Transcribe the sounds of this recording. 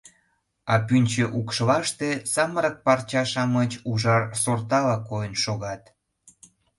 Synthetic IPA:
ɑpynʲt͡ɕeʔukʃlɑʃt̪esɑməɾək̚pɑrt͡ɕɑʃɑmət͡ɕuʒɑrsort̪ɑlɑkojənʃoɣɑt̪

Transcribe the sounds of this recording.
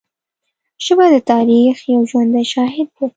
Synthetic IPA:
ʃəbɑd̪ət̪ɑɾixjawʒwand̪ajʃɑɦɪd̪̚we

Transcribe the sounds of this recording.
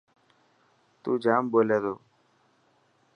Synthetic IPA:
t̪uːd͡ʒaːmboːleːd̪oː

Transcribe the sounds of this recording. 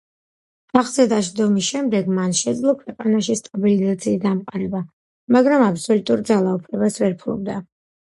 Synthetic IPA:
aχzɛd̪aʃd̪ɔmisʃɛmd̪ɛɡmanʃɛd̪zlˠɔkʰwɛqʼanaʃist̪ʼabilizat̪sʰiːsd̪amqʼaɾɛba | maɡɾamapsɔlut̪ʼuɾd̪zalˠaupʰlɛbasvɛɾpʰulṵb̚d̪a

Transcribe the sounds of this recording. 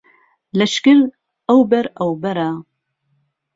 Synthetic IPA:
lɐʃkɪɾ | ɐwbɛɾɐwbɐɾa

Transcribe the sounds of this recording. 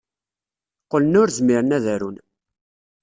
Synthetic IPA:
qələnʊɾzmiɾənæðæɾun

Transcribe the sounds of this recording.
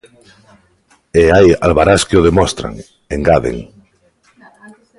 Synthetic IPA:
eaja̰lβaɾaskeoð̞emɔst̪ɾa̰ŋ | eŋɡaðḛŋ

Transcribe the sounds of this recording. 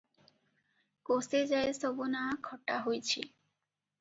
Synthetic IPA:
kosed͡ʑaesobonakʰɔʈaɦojt͡ɕʰḭ

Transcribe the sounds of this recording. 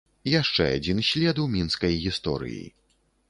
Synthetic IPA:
jaʂt͡ʂɛ̰a̰d͡zʲinɕʲlʲɛd̪wmʲinskɐjɣʲist̪ɔ̰ɾɨ̰jḭ

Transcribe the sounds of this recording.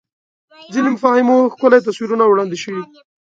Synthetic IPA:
zɪlimʊfɑhɪmoxkəlet̪aswiɾunawɽɑnd̪ɪʃəwi

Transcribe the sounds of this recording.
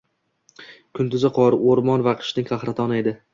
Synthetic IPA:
kʰʊnt̪ʰʊzaqʰɒɾoɾmɒnvaqʰɨ̥ʃnɪŋqʰɑχɾat̪ʰɒnɪe̞d̪ɪ

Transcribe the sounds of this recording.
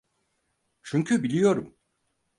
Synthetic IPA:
t͡ʃʰyɲcʰybilʲijo̞ɾum

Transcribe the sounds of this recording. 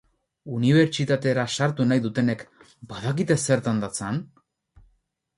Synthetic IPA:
uniβ̞e̞ɾt͡ʃit̪at̪e̞ɾasaɾt̪unajðut̪e̞ne̞k | baðakit̪e̞se̞ɾt̪and̪at͡san

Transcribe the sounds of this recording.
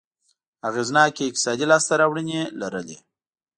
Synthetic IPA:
aɣeznɑkeɪk̚t̪ɪ̥sɑd̪ilɑst̪aɾɑwɽənelaɾəle

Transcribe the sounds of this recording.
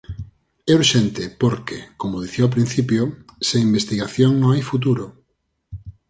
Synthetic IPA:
ɛuɾʃɛnt̪ɪpoɾkekomoðiθioap̬ɾin̟θipjoseimbest̪iɣaθjoŋnõŋajfut̪̬uɾo

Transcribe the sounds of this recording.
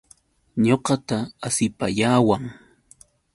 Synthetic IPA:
ɲoqɑt̪aːsɪpaʎaːwaŋ

